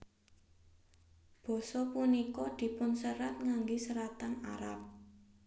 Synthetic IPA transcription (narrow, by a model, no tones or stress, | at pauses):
b̥ɔ̤sɔpunikɔd̪̥i̤pʊnsəɾat̪̚ŋaŋɡesəɾat̪ana̰ɾa̰p̚